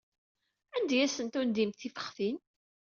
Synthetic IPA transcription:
ænd̪jæsənt̪und̪imθifə̥χθin

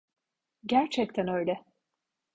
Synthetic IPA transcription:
ɟæɾt͡ʃʰɛc̚t̪ʰænø̞jlʲɛ

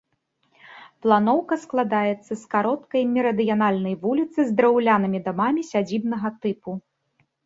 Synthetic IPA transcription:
plˠanɔwkɐsklˠad̪ajɛt̪sːɐskaɾɔt̪kɐjmʲiɾɐd̪ɨjanalʲnɐjvulʲit̪sɨzd̪ɾɐwlʲanɨmʲid̪amamʲisʲad͡zʲibnɐɣɐt̪ɨpu

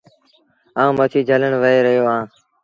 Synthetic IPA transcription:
ãːmət͡ʃʰiːd͡ʒələɳʋəeːɾəɦjoːãː

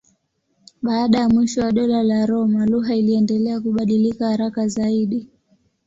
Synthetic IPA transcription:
ɓaːɗajamwiʃɔwaɗɔlalaɾɔmaluɦailiɛndɛlɛakuɓaɗilikahaɾakazaiɗi

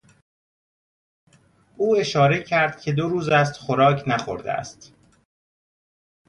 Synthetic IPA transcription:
uːe̞ʃɒːɾe̞cʰæɾd̪̥̚cʰʲe̞d̪o̞ɾuːzæst̪xoɾɒːcʰnæxo̰ɾd̪ḛæ̰st̪

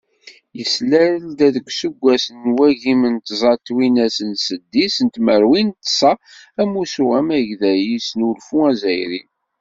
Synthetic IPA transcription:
jəslæld̪æðəkʷːsuɡʷːæsənːwæʝimənt̪zˤɑt̪winæsənsəd̪ːisənt̪məɾwint̪sˤɑæmusuʁæmæʝðæjisnulfuæzæjɾin

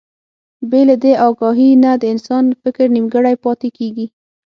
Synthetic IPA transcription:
belad̪eʔɑɡɑɦinad̪əɪnsɑnfɪkɾnimɡəɽajpɑt̪ekeɡi

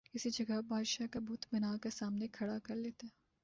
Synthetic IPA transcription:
ɪsid͡ʒɐɡəɦbʱaːd̪ʃakabuːt̪bɐnaːkesaːmnekʰɐɽakɐɾleːt̪aɛ

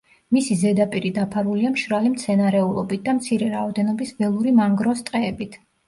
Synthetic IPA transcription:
misizɛd̪apʼiɾid̪apʰaɾuliamʃɾalimt̪sʰɛnaɾɛulˠɔbit̪̚d̪amt̪sʰiɾɛɾaɔd̪ɛnɔbisvɛlˠuɾimaŋɡɾɔst̪ʼqʼɛːbit̪ʰ

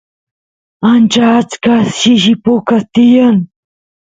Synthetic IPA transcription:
ant͡ʃaːt͡skasʃɪʃɪpʊkast̪ɪjaŋ

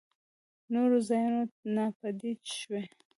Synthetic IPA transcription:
noɾozɑjunonɑpad̪it͡ʃʃwe

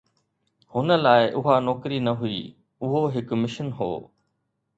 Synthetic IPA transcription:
hʊnə̆laːɪʔʊɦanɔːkɾinɐɦʊḭː | ʊɦoɦɪkmɪʃənɦo̰ː

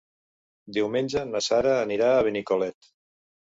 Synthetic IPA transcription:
d̪iwmenʲd͡ʒənəsaɾəːniɾaːβ̞enikolɛt̪

